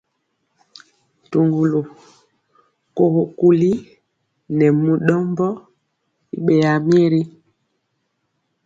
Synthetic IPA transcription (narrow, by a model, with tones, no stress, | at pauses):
tu˨ŋɡu˨lo˨ | ko˨ho˨ku˨li˦ | nɛ˨mu˨ɗɔ˦mbɔ˦ | i˦ɓɛ˨ja˨mjɛ˦ɾi˦